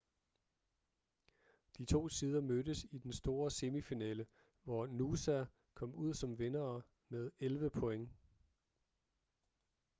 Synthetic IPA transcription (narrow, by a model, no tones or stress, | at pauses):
d̥it͡sʰo̝̰ːsiːð̞ˠɐmødəsid̥ensd̥o̝ːɐse̝mifinɛ̰ːlə | ʋɒnusæ | kʰɒ̽m̰uð̞̰ˠsɒ̽mʋenɐː | meðˠelʋəpʰɔ̽eŋ